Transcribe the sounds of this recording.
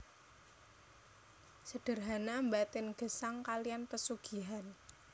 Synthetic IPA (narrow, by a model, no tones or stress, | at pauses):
səɖ̥ə̤rɦanambat̪ɪnɡ̥ə̤saŋkalijanpəsuɡ̥i̤ɦan